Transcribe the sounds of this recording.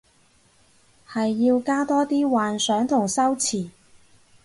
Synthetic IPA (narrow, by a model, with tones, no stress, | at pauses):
hɐ˨jːiː˧wkaː˥t̪ɔː˥t̪iː˥waː˨nsœː˨˥ŋt̪ʰʊ˨˩ŋsɐ˥wt͡sʰiː˨˩